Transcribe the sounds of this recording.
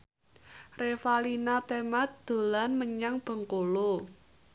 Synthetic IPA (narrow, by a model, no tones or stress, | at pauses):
refalinat̪emat̪̚d̪̥o̤lanməɲaŋb̥ə̤ŋkolo